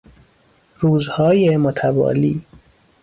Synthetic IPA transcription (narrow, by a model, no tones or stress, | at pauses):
ɾuːzhɒːjemot̪ʰæbɒ̰ːliː